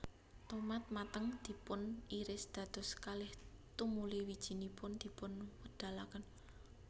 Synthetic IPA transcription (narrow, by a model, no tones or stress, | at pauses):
t̪omat̪̚mat̪əŋd̪̥i̤pʊniɾɪsd̪̥ä̤d̪̥ɔ̤skalɪht̪umuliwid̥ʒ̥i̤nipʊnd̪̥i̤pʊnwəd̪̥a̤lakən